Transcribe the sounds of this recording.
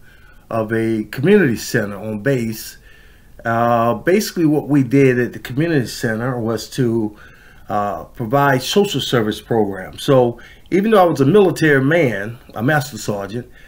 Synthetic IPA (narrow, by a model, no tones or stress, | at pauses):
ʔʌvɨkʰmjʉnɨɾisɛ̃ɾ̃ə˞ə̃nbeɪs | beɪsɪ̥kliwʌʔ̚widɪɾɨt̪̚ðɨkʰmjʉnɨɾisɛ̃ɾ̃ə˞wʌz̥tʰə | pʰɹ̥ɨvaɪd̥soʊʃl̩ˠsɜ˞vɨspʰɹ̥oʊɡɹæ̰̃msoʊ | ʔiṽn̩ðoʊaɪwʌzəmɪlˠətʰɛɹimæ̃nʔə̰mæstsɑɹd͡ʒɨ̃nt̚